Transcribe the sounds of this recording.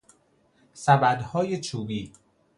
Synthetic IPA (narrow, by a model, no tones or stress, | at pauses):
sæbæd̪hɒːjet͡ʃʰuːbiː